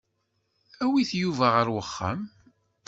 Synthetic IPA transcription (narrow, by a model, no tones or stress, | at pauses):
æwiθjuvæʁəɾwəχːə̰m